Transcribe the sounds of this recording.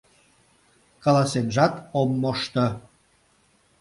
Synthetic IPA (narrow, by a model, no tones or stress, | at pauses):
kɑlɑsenʒɑt̪omːoʃt̪ə̆